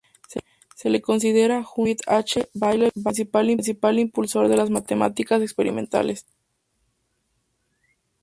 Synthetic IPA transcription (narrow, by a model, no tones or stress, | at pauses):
s | se̞leko̞ns̬ið̞e̞ɾaxut̪at͡ʃeβajleβans̬ipalins̬ipalimpulso̞ɾðelazmat̪ema̰t̪ikase̞kspeɾḭmẽ̞nt̪a̰les